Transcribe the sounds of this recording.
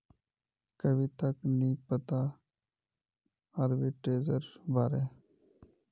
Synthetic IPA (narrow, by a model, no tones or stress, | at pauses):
kəbʱiːt̪əknĩːpət̪a | əɾbeːʈɾeːzəɾbʱaːɾeː